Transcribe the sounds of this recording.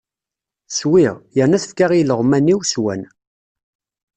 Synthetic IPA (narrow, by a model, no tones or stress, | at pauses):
swiʁjənæθfkaʁiləʁmænːiwswæ̰n